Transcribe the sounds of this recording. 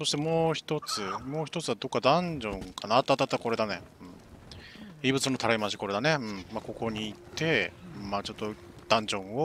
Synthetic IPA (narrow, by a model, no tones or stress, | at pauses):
so̞ɕi̥t̪e̞mo̞ːçi̥t̪o̞t͡sɨmoːçi̥t̪o̞t͡sɨβad̪o̞kːad̪ãɲd͡ʑõ̞ŋkʰanaːt̪ːat̪ːat̪ːako̞ɾe̞d̪ane | ɯ̟̃ɴ | ibɯ̟t͡sɨno̞t̪ʰaɾaimaɕ̬i̥ko̞ɾe̞d̪aneɯ̟̃ɴmako̞ko̞ɲ̟iːt̪ːe̞mːat͡ɕo̞t̪ːo̞ | d̪̥ãɲ̟d͡ʑõ̞ɰ̃o